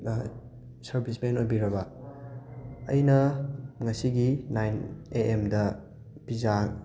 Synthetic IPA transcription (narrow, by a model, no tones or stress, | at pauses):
sɐɾbʱismenojbiɾɐbɐ | ɐ̰jnɐŋɐsiɡinajneemdɐ | piza